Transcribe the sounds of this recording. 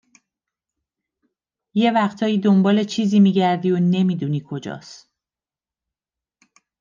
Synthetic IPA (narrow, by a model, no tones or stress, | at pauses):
je̞væχt̪ʰɒːjiːd̪ombɒːle̞t͡ʃʰiːziːmiːɟæɾd̪iːone̞miːd̪uniːkʰo̞d͡ʒɒ̰ːs